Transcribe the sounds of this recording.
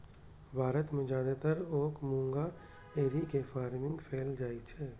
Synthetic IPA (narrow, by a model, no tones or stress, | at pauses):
bʱaːɾət̪mẽd͡ʒaːd̪at̪əɾoːkmũːŋɡa | eːɾikefaːɾmɪ̃ŋɡpʰeːld͡ʒaːit͡ʃʰeː